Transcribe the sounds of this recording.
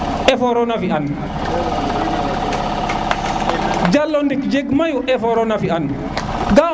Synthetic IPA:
ʔɛfɔɾɔnafian | d͡ʒalːɔndikd͡ʒɛɡmajuʔɛfɔɾɔnafian | ɡa

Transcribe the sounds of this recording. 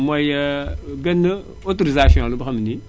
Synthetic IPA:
mʷajəɡənːə | otoɾizaʃiõlubəxamni

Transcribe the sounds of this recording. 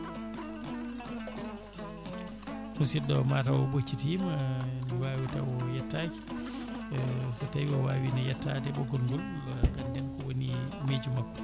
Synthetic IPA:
kunsidɔwmaːtawɔbot͡ʃːitimaniwaːwita̰wɔjɛtːaːki̥ | satajwɔwaːwinajɛtːadɛɓɔɡɔlɡɔl | ɡandɛnkɔwonimeːd͡ʒumakːɔ̥

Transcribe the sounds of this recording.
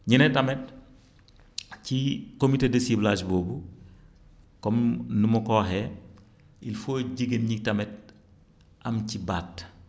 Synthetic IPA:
ɲinɛtɐmɛt̚ | cikomitedɐsiblaːd͡ʒboːbu | kɔmnumukɔːɦɛ | ilfoɟiɡənɲitɐmɛt̚ | ʔɐmcibaːt

